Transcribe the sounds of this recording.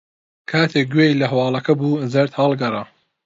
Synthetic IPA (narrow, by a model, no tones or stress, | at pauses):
kʰaːt̪ʰeːk̚ɡweːjlɐɦɐwɑːlˠɐkʰɐbuːzɐɾt̪hɑːlɡɐrˤɐ